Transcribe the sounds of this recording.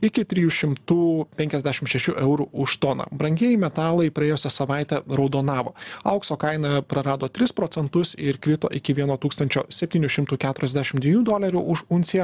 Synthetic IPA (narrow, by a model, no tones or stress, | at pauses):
ɪkʲɪt̪ʲɾʲɪjuːʃʲɪmt̪uːpʲɛŋʲkʲɛzd̪ʲæːʃʲɪmʃʲɛʃʲuʔɛʊɾuʔʊʃt̪oːnɐ̰bɾɐŋʲɡʲeɛɪmʲɛt̪ɑːlˠɐɪpɾɐeːjʊsʲɛsɐʋɑˑɪt̪ʲɛɾɒʊd̪oːnɑːʋoːɐʊksoːkɐɪnɐpɾɐɾɑːd̪oːt̪ʲɾʲɪspɾoːt̪ʲɛnt̪ʊsɪɾkɾʲɪt̪o̰ːʔɪkʲɪʋʲiɛnoːt̪uːkst̪ɐnʲt͡ʃʲoːsʲɛpʲtʲiːnʲʊʃʲɪmt̪uːkʲæːt̪ʊɾʲɛzʲd̪ʲæʃʲɪmtd̪ʲʋʲiɛjuːd̪oːlʲɐɾʲuːʔʊʃʊnʲsʲɪjɛ